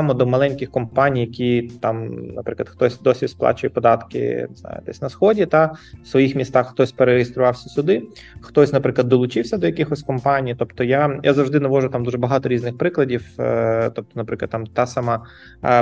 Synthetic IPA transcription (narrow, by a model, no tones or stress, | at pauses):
amɔd̪ɔmɐlˠɛnʲkʲɪxkɔmpanʲijɐkʲit̪ɑmnɐ̰pɾɪklˠɐd̪xt̪ɔsʲd̪ɔsʲisplˠɑ̰t͡ʃʊjɛpɔd̪ɑt̪kɪ̰nzna̰jɪ̰t̪ɛsʲnɐsxɔdʲit̪ɑwsʋɔjixmʲist̪ɑxːt̪ɔsʲpeɾeɾejɪst̪ɾʊʋɑwsʲɐsʲʊd̪ɪ | xt̪ɔsʲnɐpɾɪklˠɐd̪ːɔlˠʊt͡ʃɪwsʲɐd̪ɔjɐkɪxɔsʲkɔmpanʲijit̪ɔpt̪ɔjajʔa̰zɐwʐd̪ɪnɐʋɔʒʊt̪amd̪uʐɛbɐɦɑt̪ɔɾʲiznɪxpɾɪklˠɐdʲiwt̪ɔp̚t̪ɔnɐpɾɪklˠɐd̪amt̪ɑsamɑ